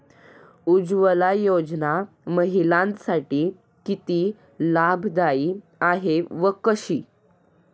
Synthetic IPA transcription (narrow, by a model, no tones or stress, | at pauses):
ud͡zʋəlajod͡zna | məɦilãnt̪saʈiː | kit̪iː | labʱd̪aiː | aɦeʋəkəɕiː